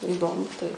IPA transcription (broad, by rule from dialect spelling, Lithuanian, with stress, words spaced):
ɪˈdoːmʊ tɐɪ